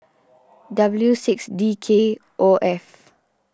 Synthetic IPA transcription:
dabəljusiksdikʰe | ʔoʔɛf

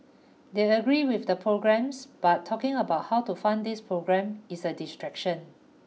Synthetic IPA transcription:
deəɡɹiwɪfdəpʰɹoɡɹɛ̃msb̥atʰːɔkɪ̃ŋəbaʊt̚hawtufãndispʰɹoɡɹɛ̃misədistɹɛkʃə̃n

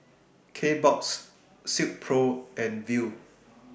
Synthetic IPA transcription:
kʰebɔks | sip̚pʰɹoɛ̃nvi

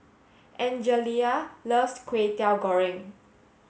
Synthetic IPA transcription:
ʔɛ̃nd͡ʒəlialəftkʰwetɛwɡɔɹĩŋ

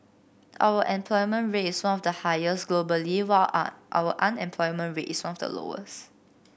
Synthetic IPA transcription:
ʔa̰wəʔɛ̃mpʰlɔjmə̃nɹetiswãnɔfdəhajəsɡlobəliwalʔa̰wəʔãnɛ̃mpʰlɔjmə̃nɹeʔiswãnɔfdə̰lo̰ə̰s

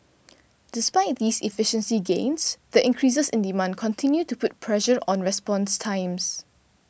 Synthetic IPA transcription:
d̥ɪspaɪt̚diːsifɪʃə̃nsiɡḛ̃nsdəʔɪ̃ŋkʰɹis̬əsɪ̃ndimãndkʰɔ̃ntʰɪ̃njutupʊt̚pʰɹɛʃəɹʔɔ̃nɹɛspɔ̃nstʰãɪ̃ms

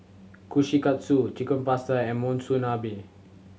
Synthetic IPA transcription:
kuʃikat̪̚sut͡ʃikənpastaɛmɔ̃nsunabi

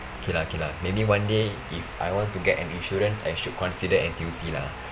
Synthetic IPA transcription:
okʰelaokelamebiwãnde | ifa̰jwɔ̃ntuɡɛtɛ̰̃nĩnʃuɹə̃nsa̰jʃut̚kɔ̃nsidəɛ̰̃nt̪isila̰

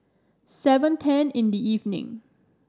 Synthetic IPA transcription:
sɛvə̃ntʰɛ̃nɪ̃ndiivnɪ̰̃ŋ

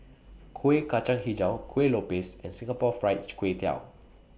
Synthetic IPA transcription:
kʰuekat͡ʃãŋhid͡ʒãwkʰwelopesɛ̰̃nsĩŋapɔfɹajtkwetʰa̰w

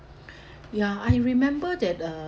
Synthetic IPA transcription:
jaajɹimɛ̃mbədɛt̚ʌ

